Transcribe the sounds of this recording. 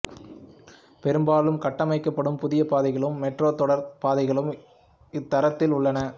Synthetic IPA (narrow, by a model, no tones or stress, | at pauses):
pɛɾɯmbaːlɯmkɐʈːɐmɐɪkːɐpːɐɽɯmpʊðɪjɐpaːðɐɪɣɐɭɯmːɛʈroːt̪ːɔɽɐɾpaːðɐɪɣɐɭɯm | ɪt̪ːɐɾɐt̪ːɪlʊɭːɐnɐ